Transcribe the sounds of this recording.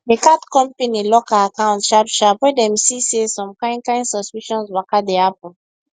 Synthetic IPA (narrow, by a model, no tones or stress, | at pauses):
dekatkɔ̃mpenilɔkaakãw̃ntʃadʃapwɛdɛ̃msisesɔ̃mkãɪ̃nkãɪ̃nsɔspiʃɔ̃nswakadeap̚ɔ̃n